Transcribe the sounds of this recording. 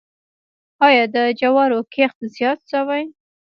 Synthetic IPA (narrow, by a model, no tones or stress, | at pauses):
ɑjɑd̪əd͡ʒawɑɾokʰext̪zjɑt̪sawaj